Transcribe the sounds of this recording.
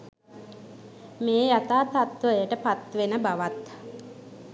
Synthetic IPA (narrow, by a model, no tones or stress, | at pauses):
meːjat̪aːt̪at̪ʋəjəʈəpat̪ʋenəbaʋat̪